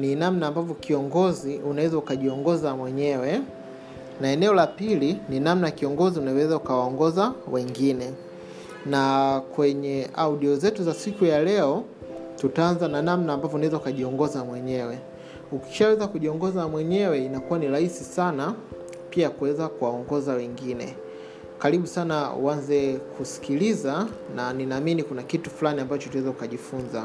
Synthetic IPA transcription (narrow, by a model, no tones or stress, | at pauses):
ninamnaːmbavɔkiɔŋɡɔziunawɛzaukaʄiɔŋɡɔzamwɛɲɛwɛ | naɛnɛɔlapilininamnajakiɔŋɡɔziunawɛzaukawaɔŋɡɔzawɛŋɡinɛ | nakwɛɲɛauɗiɔzɛtuzasikujalɛɔ | tutaanzananamnaːmbavjɔunawɛzaukaʄiɔŋɡɔzamwɛɲɛwɛ | uki̥ʃawɛzakuʄiɔŋɡɔzamwɛɲɛwɛinakuwaniɾaisisana | piakuwɛzakuwaɔŋɡɔzawɛŋɡinɛ̰ | kaɾiɓusanaṵanzɛkʰusi̥kilizananinaːminikunakitu̥flaniambat͡ʃɔtunawɛzɛukaʄifunza